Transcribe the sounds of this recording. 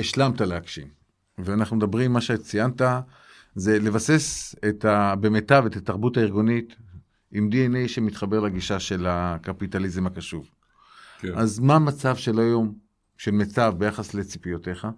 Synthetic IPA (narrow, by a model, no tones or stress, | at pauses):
eʃlamtaleakʃḭm | veanaχnumed̪abʁimːaʃet͡sijanta | ze̞le̞vasesetabe̞metave̞tataʁbutaiʁɡonit | imd̪ienejʃemit̪χabe̞ʁlaɡiʃaʃe̞lakapitalizemakaʃuv | azmamat͡savʃe̞lajo̞m | ʃe̞lmet͡savbe̞jaχasle̞t͡sipijote̞χa